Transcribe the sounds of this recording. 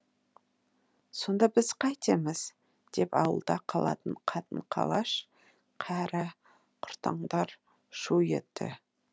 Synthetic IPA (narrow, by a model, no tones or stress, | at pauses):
so̞nd̪ɑbɪzqʰɑjt̪emɪz | d̪̥e̞pɑwə̰lˠd̪ɑqʰɑlˠɑ̰t̪əɴqʰɑt̪əɴqʰɑ̰lˠɑʃ | qʰæɾɪ | qʰʊ̥ɾt̪ɑ̰ɴd̪ɑɾ | ʃujḛt̪ːɪ̰